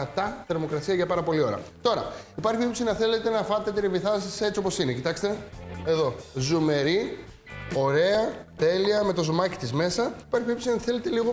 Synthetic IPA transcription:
ɐt̪ɐθe̞ɾmo̞kɾɐsiɐʝɐpɐɾɐpo̞lio̞ɾɐ̰t̪o̞ɾɐ̰ipɐɾçiipsinɐθe̞le̞t̪e̞nɐfɐt̪et̪iɾiviθɐsiset͡sio̞po̞sinecit̪ɐkst̪e̞e̞ðo̞zume̞ɾi | o̞ɾe̞ɐt̪e̞liɐme̞t̪o̞zomɐci̥t̪izme̞sɐipɐɾçiipsinɐθe̞le̞t̪e̞liɣo

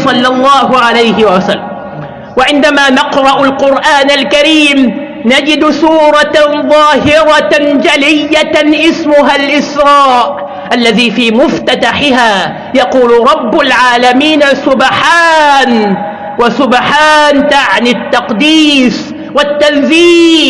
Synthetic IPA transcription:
sˤɑlːɑlˤːɑːhʊʕalajhɪwasalːam | waʕɪnd̪amaːnɑqɾˤɑʔalqʊɾʔaːnalkaɾiːm | nad͡ʒɪd̪suːɾˤɑðˤɑːɦɪɾˤɑd͡ʒalɪjːaʔɪsmʊɦalʔɪsɾˤɑːʔ | ʔalːaðiːfiːmʊft̪at̪aħɪɦaː | jɑquːlɾˤɑbːʊlʕaːlamiːnasʊbħaːn | wasʊbħaːnt̪aʕnɪt̪ːɑqd̪iːs | wat̪ːanziː

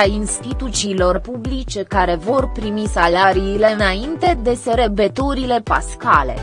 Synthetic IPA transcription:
ainst̪it̪ut̪siːlo̞rpublit͡ʃe̞kaɾe̞vo̞rpɾimisalaɾiːle̞ɨnaint̪e̞d̪e̞seɾebe̞t̪uɾile̞pa̰skale̞̰

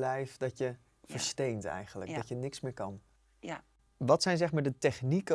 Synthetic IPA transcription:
lɛjfdɑtjə | fəɹstejntɛ̰jχənlə̰k̚dɑtjənɪksmɪːɹkɑn | ʋɑtsɛjnzɛχmaːɹdətɛχnikə

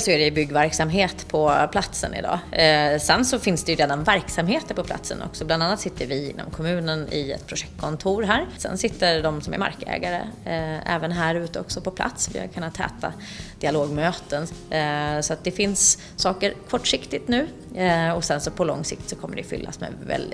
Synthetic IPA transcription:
sɔæɖɛjɵbʏɡːvæɾksamɦeːt̪pʰɔpʰlat̪sə̰nɪ̰d̪ɑ̰ːsɛnsɔfɪnsd̪ɛjɵɾeːd̪anvæɾksamheːt̪əɾpʰɔpʰla̰t̪sə̰nɔ̰ksɔbland̪anːat̪sɪt̪ʰːəɾvɪɪnːɔ̰mkʰɔmʉ̟ːnənɪ̰ɛ̰t̪pʰɾʊʂɛk̚t̪̚kʰɔnt̪ʰuːɾɦæːɾsɛ̰nsɪt̪ːəɾɖɔmsɔmæ̰ɾma̰ɾkəɛ̰ːɡaɾə̰ɛ̰ːvənɦæːɾʉ̟ːt̪əɔksɔpʰɔpʰla̰t̪svɪ̰ha̰kʰɵnːat̪ʰhɛ̰ːt̪a | d̪̥ɪaloːɡmøːt̪ən | sɔat̪̚d̪ɛfɪnsː | ɑːkəɾkʰɔʈːʂɪkt̪ɪt̪nʉ̟ː | ɔsɛnsɔpʰɔlɔ̰ŋsɪk̚t̪sɔkʰɔmːəɖɛjfʏ̰lːa̰smɛ̰vɛ̰ld̪

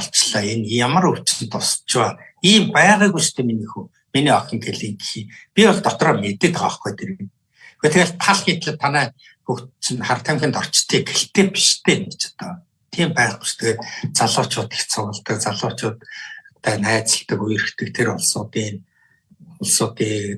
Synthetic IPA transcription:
ɔɬt͡ɕɮaːenjamə̆ruw̥t͡ɕɪ̥̆nt̪ʊst͡ɕwaː | iːmpæːʁiːɣujʃt̪ʰeːminiːxuː | miniːɔxʲɞ̆ŋɡeɮiːŋɡixiːpʲiɔɮt̪ɔt̪rɔːmet̪ɘ̆t̪ɢaːχɡujt̪ʰeɾɘ̆ɣɘ̆n | xeːt̪ʰeɣeɮt̪ʰaɮxiːt̪ɮɘ̆t̪ʰːanæː | xukt͡ɕnχar̥t̪ʰæmxʲĭːnt̪ɔr̥t͡ɕt̪ʰiːɡeɬt̪eːpi̥ʃt̪ʰeːmet͡ɕḁt̪a | t̪ʰiːmpæːʁɡu̥t͡ɕt̪ʰĕɣeːtt͡saɮʊːt͡ɕʊːt̪i̥xt͡sʰʊʁə̆ɮt̪ə̆k̚t͡saɮʊːt͡ɕʊːt̪t̪æːnæːt͡sə̆ɮt̪ə̆kuj̆rɘ̆xt̪ɘ̆kt̪ʰeɾʊɮsʊːt̪iːn | ʊɮsʊːt̪iː

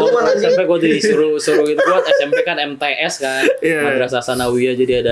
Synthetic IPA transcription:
ɔaasampɛkuadisuɾusuɾukit̪ukuat̪̚ɛsɛmpɛkanɛmt̪eʔɛskanabɾasasanawiad͡ʒadiada

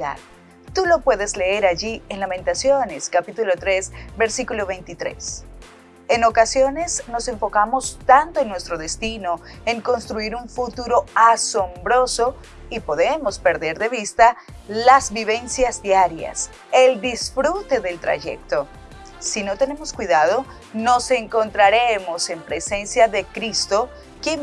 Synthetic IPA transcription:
a̰ð | t̪ulo̞pwe̞ðe̞zle̞eɾaʝienlamẽnt̪asjo̞ne̞skapit̪ulo̞t̪ɾe̞sbe̞ɾsikulo̞βejnt̪it̪ɾe̞̰s | e̞no̞kasjo̞ne̞sno̞se̞ɱfo̞kamo̞st̪ant̪oennwe̞st̪ɾo̞ðe̞st̪ino | eŋko̞nst̪ɾuiɾuɱfut̪uɾo̞aso̞mbɾo̞so̞ | ipo̞ðe̞mo̞spe̞ɾðe̞ɾðe̞β̞ist̪a | lazβiβe̞nsjazd̪jaɾja̰s | e̞ld̪isfɾut̪e̞ðe̞lt̪ɾa̰ʝe̞̰k̚t̪o̞ː | ino̞t̪e̞ne̞mo̞skwiðaðo̞ | no̞se̞ŋko̞nt̪ɾaɾemo̞se̞mpɾe̞se̞nsjaðe̞kɾist̪o̞ | kje

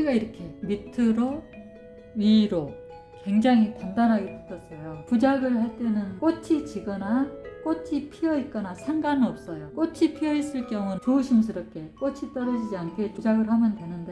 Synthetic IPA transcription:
uiɡaiɾʌkʰe̞mitʰɯɾo | ɥiɾo | kwe̞ŋd͡ʑaŋɦitandanɦaɡetɯtʰʌs͈ʌjopud͡ʑaɡɯɭhaɭt͈e̞nɯnk͈ot͡ɕʰit͡ɕiɡʌnak͈ot͡ɕʰipʰiʌit̚k͈ʌnasʰaŋɡanɯʌp̚s͈ʌjok͈ot͡ɕʰipʰiʌis͈ɯɭk͈jʌŋunt͡ɕouɕʰims̬ʰɯɾʌp̚k͈e̞k͈ot͡ɕʰit͈ʌɾʌd͡ʑid͡ʑiankʰe̞pud͡ʑaɡɯɭhamjʌndwe̞nɯnde̞

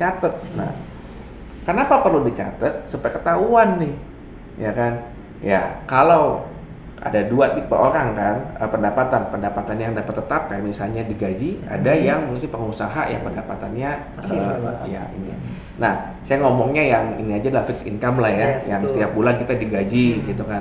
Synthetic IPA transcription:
t͡ʃat̪ət̪̚na̰h | kənapapərludit͡ʃa̰t̪ət̪̚supajkət̪auanːɪh | jakan | ja̰kalaw | ʔa̰daduat̪̚ipə̰ʔoɾaŋkanəpəndapat̪anpəndapat̪anjaŋdapat̪ːət̪ap̚kajamisalɲadiɡad͡ʒia̰dajaŋməŋsɪpəŋusaɦa̰ja̰ŋpəndapat̪anɲa | əja̰ḭni | nah | sajaŋɔmɔŋɲajaŋḭniad͡ʒadaafɪksḭnkamlahjasjaŋst̪iap̚bulankit̪adiɡad͡ʒiɡit̪ukan

